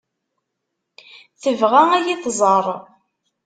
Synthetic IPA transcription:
θəvʁææjiθzˤəɾˤ

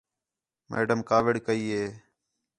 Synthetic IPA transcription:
mḛːɖəmkaːʋɪɽkəiːɦeː

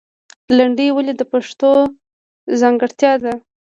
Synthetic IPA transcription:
laɳɖiwəlid̪əpaʂt̪o | zɑŋɡəɽt̪jɑd̪a

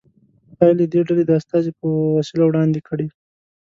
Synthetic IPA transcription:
ɑjləd̪eɖaled̪əast̪ɑzipəwasilawɽɑnd̪ekʰəɽi

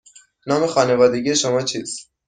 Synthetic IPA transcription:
nɒːmexɒːnevɒːd̪e̞ɡiːjeʃomɒːt͡ʃʰiːs

